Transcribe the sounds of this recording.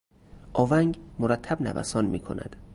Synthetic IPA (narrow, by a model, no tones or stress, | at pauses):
ʔɒːvæŋɡmoɾæt̪ʰːæbnæ̰væ̰sɒːnmiːkʰo̞̰næ̰d̪̥